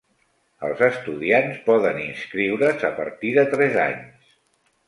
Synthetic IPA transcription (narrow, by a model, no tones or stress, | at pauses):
ə̰lˠzəst̪uðianspɔðəninskɾiwɾəzəpəɾt̪iðət̪ɾɛza̰ɲs